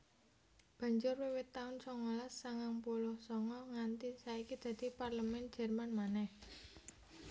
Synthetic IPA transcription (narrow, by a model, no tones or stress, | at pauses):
b̥a̤ɲd͡ʒʊrwewɪt̪ːaʊnsɔŋɔlasːaŋaŋpulʊhsɔŋɔŋant̪isaikid̪̥ä̤d̪̥i̤parləmɛnd̥d͡ʒ̥ɛ̤rmanmanɛh